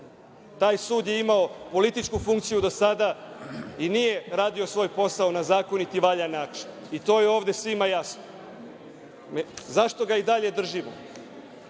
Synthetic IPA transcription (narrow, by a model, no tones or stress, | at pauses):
t̪aːjsuːd̪jeimao̞po̞lit̪it͡ʃkufuŋkt̪sijud̪o̞sad̪a | inije̞ɾaːd̪io̞sʋo̞jpo̞saonazaːko̞nit̪iʋaʎanaːt͡ʃi̥n | it̪o̞ːjeo̞ːʋd̪e̞sʋimajasno | zaʃt̪o̞ɡaid̪aʎe̞d̪r̩ʒimo̰